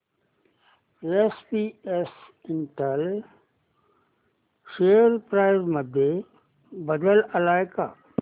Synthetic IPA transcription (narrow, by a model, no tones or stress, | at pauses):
espiːesɪnʈəl | ʃeːəɾpɾaːɪzməd̪ʱːe | bəd̪ələlaːɪka̰ː